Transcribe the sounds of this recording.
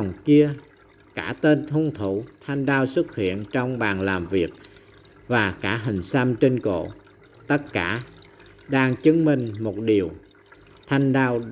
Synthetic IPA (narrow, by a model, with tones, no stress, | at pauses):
wŋ͡mki˧ə | kaː˧˥t̪e˧nt̪ʰu˧əŋt̪ʰu˧˩t̪ʰa˧jŋ̟ɗaː˧wsɨ˦˥t̚hḭ˧˨ənt͡ɕɔ˧wŋ͡mɓaː˨˩nlaː˨˩mvi˨˩ək̚ | vaː˨˩kaː˧˥ɦï˨˩ŋ̟sa˧mt͡ɕe˧nko̰˧˨ | t̪ə˦˥t̚kaː˧˥ | ɗaː˧ŋt͡ɕɨ˨˦ŋmï˨˩ŋ̟mo˨˩t̚ɗi˨˩əw | t̪ʰa˧jŋ̟ɗaː˧w